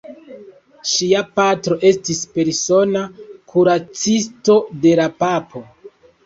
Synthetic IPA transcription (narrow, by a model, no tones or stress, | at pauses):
ʃiapatɾo̞ʔe̞stispe̞ɾso̞nakʰuɾat͡sisto̞de̞lapapʰo̞